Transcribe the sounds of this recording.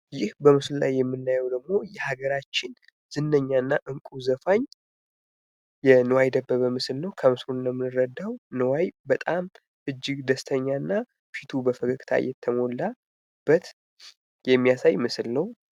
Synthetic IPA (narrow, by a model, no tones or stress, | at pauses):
jɪhbəmɨslla̰jːɛmːɨnːajɛwd̪əɡmo̞jɛhaɡəɾat͡ʃːɪn | z̥ɨnːəɲːanːaʔɨŋkʼuzəfaɲ | jɛnɨwajd̪əbːəβəmɨslnəwkʰəmɨsɾunjəmːɨnɨɾəd̪ːawnəwajbət̪ʼam | ʔɨd͡ʒːɪɡd̪əst̪ʰəɲːanːa | fit̪ʰubəfəkʰəkʼt̪ʰa̰jɛ̰t̪ʰːəmo̞lːa | b̥ːət̪ | jɛmːijasajmɨsɨlnəw